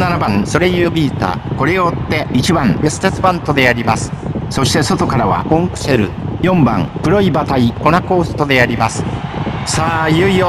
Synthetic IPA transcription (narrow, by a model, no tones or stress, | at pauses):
nanabãŋ̃so̞ɾe̞jɯːbʲiːt̪a̰ko̞ɾe̞jot̪ːe̞it͡ɕibãŋbesɨ̥t̪et͡sɨbãnt̪o̞d̪e̞aɾʲimasɨ̥so̞ɕi̥t̪e̞so̞t̪o̞kaɾaβa̰kõŋkɯ̟̥se̞ɾɯ̰jõ̞mbã̰ŋkɯ̟ɾo̞ibat̪aiko̞nako̞ːsɨ̥t̪o̞d̪e̞aɾʲimasɨ̥saːjɯijo